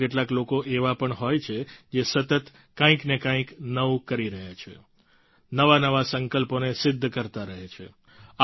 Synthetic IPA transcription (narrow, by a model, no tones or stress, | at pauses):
eʈlaklokoʔeʋapəɳɦojt͡ʃʰed͡ʒesət̪ət̪ | kãĩknekãĩknəʋukəɾiɾəɦjat͡ʃʰḛ | nəʋanəʋasəŋkəlponesɪd̪ʱːkəɾt̪aɾəɦet͡ʃʰḛ | a